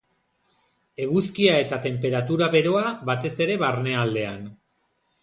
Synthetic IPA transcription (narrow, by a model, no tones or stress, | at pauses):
e̞ɣuskiae̞t̪at̪e̞mpe̞ɾat̪uɾaβe̞ɾo̞aβat̪e̞se̞ɾe̞βaɾne̞ald̪e̞an